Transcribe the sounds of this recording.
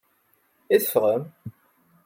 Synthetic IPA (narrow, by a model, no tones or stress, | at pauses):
iθə̥fʁəm